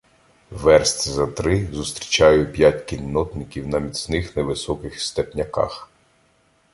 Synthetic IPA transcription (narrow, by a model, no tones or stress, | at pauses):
ʋɛrst̪ʲzɐt̪ɾɪzʊst̪ɾʲi̥t͡ʃɑjʊpʲjatʲkilʲnɔt̪nɪkʲiwnɐmʲisnɪxnɛʋɪsɔkɪxst̪ɛpnʲɐkɑ̰x